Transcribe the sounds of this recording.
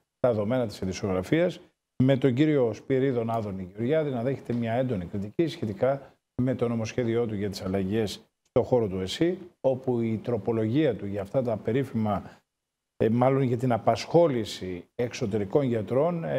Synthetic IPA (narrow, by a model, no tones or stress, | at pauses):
t̪ɐeðo̞me̞nɐt̪i̥siðiso̞ɣɾɐfiɐs | me̞t̪o̞ɲɟiɾio̞spiɾiðo̞nɐðo̞niʝeoɾʝɐðinɐðe̞çe̞t̪e̞mɲɐe̞nd̪o̞nikɾit̪icisçe̞t̪ikɐ | me̞t̪o̞no̞mo̞sçe̞ðio̞t̪uʝɐt̪i̥sɐlɐʝe̞s | st̪o̞xo̞ɾo̞t̪ue̞sio̞puit̪ɾo̞po̞lo̞ʝiɐt̪uʝɐːft̪ɐt̪ɐpe̞ɾifimɐ | mɐlo̞nʝɐt̪inɐpɐsxo̞lisie̞kso̞t̪e̞ɾiko̞nʝɐt̪ɾo̞n